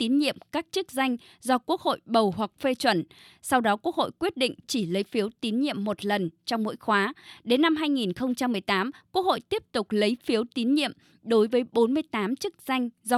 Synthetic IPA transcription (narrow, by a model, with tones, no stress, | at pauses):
t̪i˨˦nɲḭ˧˨əmkaː˦˥k̚t͡ɕɨ˦˥k̚za˧jŋ̟ | zɔ˧ku˦˥ək̚ho̰˧˨jɓə˨˩whwa˨˩k̚fe˧t͡ɕwə˧˩n | sa˧wɗɔ˨˦ku˦˥ək̚ho̰˧˨jkwi˦˥ət̚ɗḭ˧˨ŋ̟t͡ɕi˧˩lə˨˦jfi˨˦əwt̪i˨˦nɲḭ˧˨əmːo˨˩t̚lə˨˩nt͡ɕɔ˧wŋ͡mmo̰˧˥jxwaː˨˦ɗe˨˦nːa˧mɦaː˧jŋi˨˩nxə˧wŋ͡mt͡ɕa˧mːɨ˨˩əjt̪aː˨˦mkwu˦˥ək̚ho̰˧˨jt̪i˦˥əp̚t̪ʊ˨˩k͡p̚lə˨˦jfi˨˦əwt̪i˨˦nɲḭ˧˨əm | ɗo˨˦jvəː˨˦jɓo˨˦nmɨ˧əjt̪aː˨˦mt͡ɕɨ˦˥k̚za˧jŋ̟z